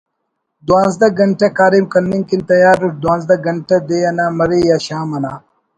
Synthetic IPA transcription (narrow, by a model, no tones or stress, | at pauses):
d̪wãːnzd̪ɐɡɐɳʈɐkaːɾimkɐnːiŋkint̪ɐjaːɾːuʈ̚d̪wãːnzd̪ɐɡɐɳʈɐd̪ejɐnaːmɐɾejaːɕaːmɐnaː